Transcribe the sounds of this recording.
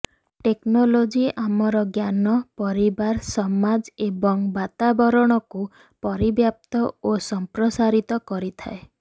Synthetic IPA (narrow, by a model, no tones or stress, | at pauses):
ʈeknolod͡ʒiamɔɾɔɡjanɔpɔɾibaɾsɔmad͡ʒebɔŋbat̪abɔɾɔɽ̃ɔku | pɔɾibjap̚t̪ɔosɔmpɾɔsaɾit̪ɔkɔɾit̪ʰa̰e